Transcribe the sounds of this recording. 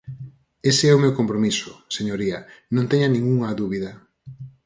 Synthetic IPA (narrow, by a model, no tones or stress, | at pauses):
eseɛʊmewkompɾomisʊ̥seɲoɾiɐnõnt̪ɛɲɐnĩŋuŋaðuβiðɐ